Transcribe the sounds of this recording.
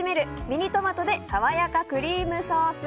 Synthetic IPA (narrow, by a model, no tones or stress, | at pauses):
ime̞ɾɯ̟mʲiɲ̟it̪o̞mat̪o̞d̪e̞saβajakakɯ̟ɾʲiːmɯ̟soːsɨ